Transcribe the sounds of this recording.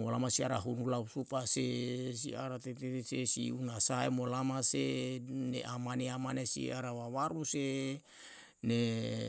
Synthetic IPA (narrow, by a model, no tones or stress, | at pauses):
molamasiaɾaɦunulausupasesiaɾat̪et̪et̪esesḭunasaemolamasenḛʔamaneamanesḭaɾawawaɾuse | ne